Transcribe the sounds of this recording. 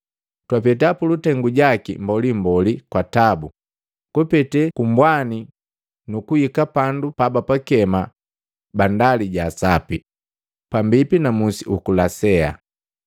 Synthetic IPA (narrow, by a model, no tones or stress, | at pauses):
twapɛtapulutɛŋɡuɟakḭmbɔlimbɔlikwatabu | kupɛtɛkumbwani | nukujikapandupabapakɛma | bandaliɟasapi | pambipinamusiukulasɛa̰